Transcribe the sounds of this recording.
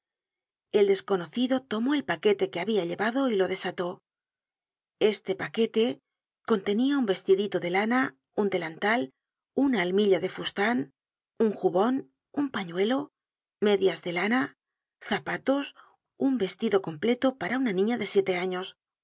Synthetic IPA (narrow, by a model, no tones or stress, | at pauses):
e̞ld̪e̞sko̞no̞θiðo̞t̪o̞mo̞e̞lpake̞t̪e̞ke̞aβiaʎeβaðo̞ilo̞ðe̞sat̪o̞ | e̞st̪e̞pake̞t̪e̞ | ko̞nt̪e̞niaumbe̞st̪iðit̪o̞ðe̞lana | und̪e̞lant̪al | unaːlmiʎaðe̞fust̪an | uŋxuβo̞n | umpaɲwe̞lo̞ | me̞ðjazðe̞lana | θapat̪o̞s | umbe̞st̪iðo̞ko̞mple̞t̪o̞paɾaunanĩɲaðe̞sje̞t̪e̞aɲo̞s